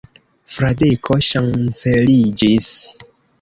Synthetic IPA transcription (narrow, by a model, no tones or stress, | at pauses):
fɾadikʰoʃant͡selid͡ʒis